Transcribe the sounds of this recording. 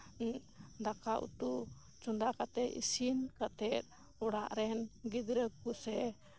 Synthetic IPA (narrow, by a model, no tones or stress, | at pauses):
d̪akaʔṵt̪uʔ | t͡ʃund̪akat̪ɛḭsinkat̪ɛt̪̚ | ɔɽaʔɾɛnɡid̪ɾəkusɛ